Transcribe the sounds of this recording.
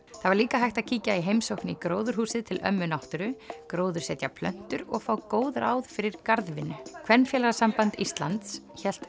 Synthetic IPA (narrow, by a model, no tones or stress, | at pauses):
θavaɾliːkaɦajht̪aðcʰiːcaiɦejmsowhknɪikɾoːwðʏɾ̥huːsɪðt̪ʰɪlʔœ̰mːʏnawht̪ʏɾʏkɾoːwðʏɾsɛːt̪japʰlœ̰n̥t̪ʏɾɔɣfaːwkoːwðɾaːwðfɪɾɪɾkaɾðvɪnːʏkʰv̥ɛnfjɛːlaɣasampant̪ist̪lant̪s | çɛl̥t̪